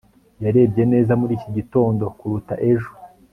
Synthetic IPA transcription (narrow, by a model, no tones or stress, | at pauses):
jaɾe̞ːbɟe̞ne̞ːzamuɾiːciɟito̞ːndo̞kuɾutaʔe̞ʒu